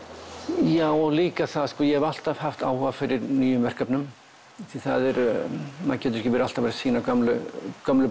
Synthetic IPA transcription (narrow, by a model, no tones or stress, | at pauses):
jaːwɔɣliːkaθaðskɔːjɛhɛval̥t̪av̥haft̪a̰ːwhɔvafɪɾɪɾnyːjʏmvɛr̥kapnʏm | θiθaðɛɾmacɛːt̪̬ʏɾɛ̥çcɪvɛɾalt̪avɛɾsiːnakamlʏ̰kœmlʏ